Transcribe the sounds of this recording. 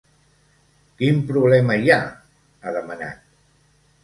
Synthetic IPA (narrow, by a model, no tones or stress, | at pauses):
kimpɾuβlɛməja | aðəməna̰t̪̚